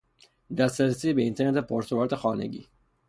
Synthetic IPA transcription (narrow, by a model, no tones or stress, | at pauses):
d̪æst̪ɾæɾesiːbeint̪ʰeɾnet̪ʰepʰoɾt̪ʰovoɾt̪ʰexɒːnḛɟḭː